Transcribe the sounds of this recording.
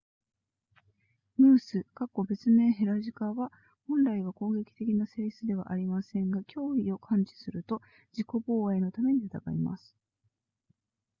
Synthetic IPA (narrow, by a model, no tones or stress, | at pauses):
mɯ̟ːsɨkakːo̞be̞t͡sɨme̞ːɦe̞ɾaʑikaβa | hõ̞nɾaiβ̞ako̞ːɡe̞kʲi̥t̪e̞kʲinaseːsɨd̪e̞βa̰ʔaɾʲimasẽ̞ŋɡakʲʰo̞ːio̞kʰãɲ̟t͡ɕi̥sɨɾɯ̟t̪o̞ | d͡ʑiko̞bo̞ːaeno̞t̪ame̞ɲ̟iɯt̪aɡa̰ima̰sɨ̥